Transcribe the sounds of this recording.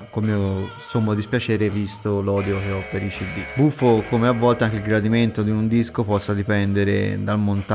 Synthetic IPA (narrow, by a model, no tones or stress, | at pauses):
kolmio | somːod̪ispjat͡ʃɛːɾevist̪olɔːd̪jok̟eɔpːeɾit͡ʃid̪ːibufːokomeavːɔlt̪eaŋk̟eilɡɾad̪iment̪od̪iund̪iskopɔsːad̪ipɛnd̪eɾḛd̪almont̪